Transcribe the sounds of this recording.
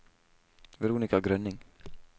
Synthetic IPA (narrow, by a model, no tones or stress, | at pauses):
vɪɾuːnikaɡɾœnːɪŋ